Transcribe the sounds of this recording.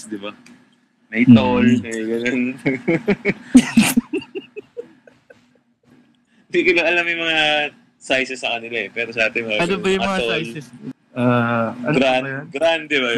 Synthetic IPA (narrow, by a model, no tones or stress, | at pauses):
d̪ɪba | nɐjt̪olɐjɡɐnon | d̪ikolɐʔɐlamjʊmɐŋa | sajsɛsːɐkɐnɪlaʔɛpɛːɾosɐʔaːt̪ɪmɐaɐnobɐjʊmɐŋaojlɛs | ʔaɐɡɾaɡɾand̪ɛba